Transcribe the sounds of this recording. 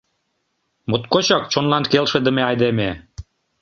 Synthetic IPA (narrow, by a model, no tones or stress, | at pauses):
mut̪kot͡ɕɑk̚t͡ɕonlɑnkelʃĕd̪ə̆meɑjd̪eme